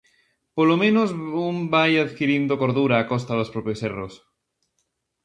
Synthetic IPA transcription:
polomẽnozumbajaðkiɾind̪okoɾðuɾaːkɔs̬t̪aðospɾɔpjoseros

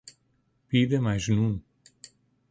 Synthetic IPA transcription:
piðɐmajʒnũ

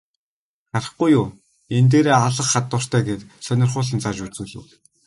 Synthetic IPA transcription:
ɢ̥arə̆χɡujʊː | ent̪̬eːɾeːaɮə̆χːat̪ːʊːr̥t̪ʰæːɡeːt̪sœnʲɪ̆rχʊːɮə̆nt͡sʰat͡ɕut͡sŭːɮɘ̆w

